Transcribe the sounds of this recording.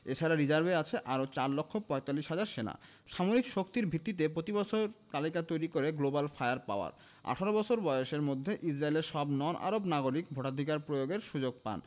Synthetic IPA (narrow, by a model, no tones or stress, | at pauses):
et͡ɕʰaɾaɾid͡ʑaɾbeat͡ɕʰeʔaɾot͡ɕaɾlokʰːopɔet̪alːiʃɦad͡ʑaɾʃena̰ | ʃamoɾikʃokt̪iɾbʱit̪ːit̪̬ep̬ɾot̪ibɔt͡ɕʰoɾt̪alikat̪ojɾikoɾeɡlobalfajaɾpa̰oa̰ɾ | a̰ʈʰaɾobɔt͡ɕʰoɾbɔjoʃeɾmod̪ʱːeʔid͡ʑɾaeleɾʃɔbnɔnʔa̰ɾobnaɡoɾik̚bʱoʈad̪ʱikaɾpɾojoɡeɾʃud͡ʑoɡ̚pa̰n